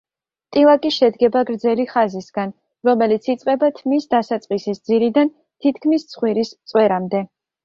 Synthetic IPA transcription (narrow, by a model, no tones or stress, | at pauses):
t̪ʼilˠakʼiʃɛd̪ɡɛbaɡɾd̪zɛliχazisɡan | ɾɔmɛlit̪sʰit̪sʼqʼɛbat̪ʰmisd̪asat̪sʼqʼisisd̪ziɾid̪an | t̪ʰit̪̚ʰkʰmist̪sʰχwiɾist̪sʼwɛɾamd̪ɛ